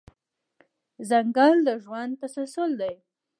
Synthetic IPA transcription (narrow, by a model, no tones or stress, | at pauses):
zaŋɡɑld̪əʒwand̪̚t̪asalsʊld̪aj